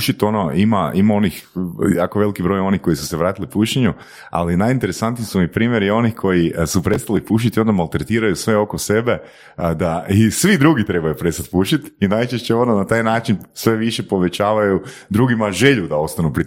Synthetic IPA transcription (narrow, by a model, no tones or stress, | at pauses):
ʃit̪o̞noimaimao̞nixjakoʋe̞likibɾo̞jo̞nixko̞jisu̥seʋɾaːt̪ilipuʃeɲu | a̰linajint̪e̞ɾesant̪nisumipɾiːmje̞ɾio̞nixkʰo̞jisupɾe̞st̪alipuʃ̬it̪io̞nd̪amalˠt̪ɾet̪iːɾajusʋe̞o̞kose̞be̞ | d̪aisʋid̪ɾuɡit̪ɾe̞bajupɾe̞st̪at̪puʃit̪inajt͡ʃeʃt͡ɕeo̞nonat̪aːjnaːt͡ʃinsʋe̞ʋiʃe̞po̞ʋe̞t͡ɕaːʋajud̪ɾuɡimaʒe̞ʎud̪ao̞st̪anupɾi